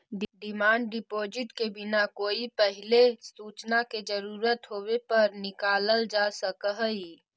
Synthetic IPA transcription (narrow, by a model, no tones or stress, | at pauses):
ɖɖɪmaːɳɖɖɪpoːd͡ʒɪʈkebɪnakoːipɛɦɪlesuːt͡ʃnaked͡ʒəɾuːɾət̪ɦoːwepɐɾnɪkaːləld͡ʒasəkəɦəi